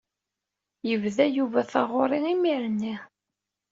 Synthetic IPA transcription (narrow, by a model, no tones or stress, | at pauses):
jəvðæjuvæθɑʁʊɾˤɪimiɾnːi